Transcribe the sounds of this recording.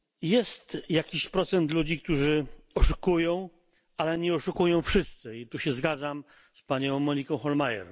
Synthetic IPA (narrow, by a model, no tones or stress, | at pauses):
jɛst̪jakʲiɕpɾɔt̪sɛnt̪lud͡ʑik̚t̪uʐɘɔʂukujɔ̃w̃ | alɛɲɛɔʂukujɔ̃w̃fʂɘst̪sɘit̪uɕɛzɡad̪zam | spaɲɔ̃w̃mɔɲikɔ̃w̃xɔlmajɛ̰ɾ